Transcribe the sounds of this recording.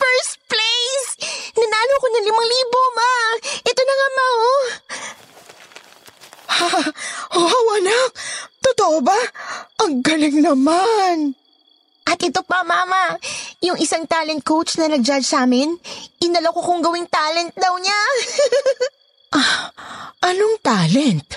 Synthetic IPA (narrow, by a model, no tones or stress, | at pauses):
fɛɹst̪̚plejsnɐnaːlokonɐŋlɪmɐŋliːbo̞maʔɛt̪onɐŋɐmaho | haʔowɐlak̚t̪ot̪oʔobaʔɐŋɡɐlɪŋnɐman | ʔɐt̪ʔɛt̪o̞pɐmaːmɐjʊŋʔɪsaŋt̪aːlɛnt̪̚kowt͡ʃnɐnɐɡ̚d͡ʒad͡ʒsaːmɪnʔɪnɐlɐkokʊŋɡɐwɪŋt̪aːlɛnt̪̚d̪ɐwɲa | ʔa | ʔɐnoŋt̪aːlɛnt̪̚